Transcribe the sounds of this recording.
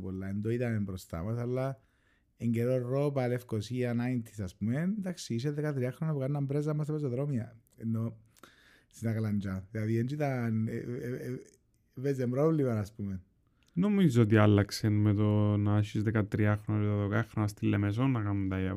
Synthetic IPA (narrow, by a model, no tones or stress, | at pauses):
polːaend̪oit̪ɐnembɾost̪a̰masalːa | eɲɡeɾoropalefkosianaint̪ʰːi̥saspumend̪aksis̬eðekat̪ɾiaxɾonapukanːɐmbɾez̬amːɐst̪epes̬oðɾomiaenːo | sinakaland͡ʒaðilaðiend͡ʒit̪an | vezembɾovlimanaːspumen | nomizoot̪̬ialːɐksenmet̪onaɕizðekat̪ɾiaxɾonat̪ɐðokaxɾonɐst̪ilːemes̬onːɐkamd̪ajɐ